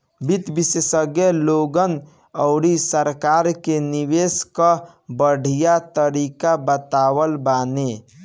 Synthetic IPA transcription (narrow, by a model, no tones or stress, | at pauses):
bit̪bisesəɡjeloɡən | əʊɾisəɾkaɾkeniʋeskə | bəɽ̤ʱijat̪əɾikabət̪awəlbane